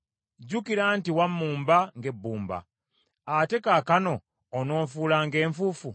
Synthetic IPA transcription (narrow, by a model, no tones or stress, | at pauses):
ɟukiɾaːntiwamːuːmbaŋɡe̞bːuːmba̰ | ate̞kakano̞ː | no̞ːɱfuːlaŋɡe̞ːɱfufu